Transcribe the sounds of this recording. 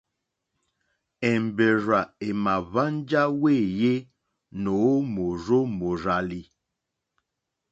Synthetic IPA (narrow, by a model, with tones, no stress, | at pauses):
ɛ˨m˨be˨ɾa˨e˨ma˨βa˦n˦d͡ʒa˦we˦˨je˦ | no˨˦mo˨ɾo˦mo˨ɾa˨li˨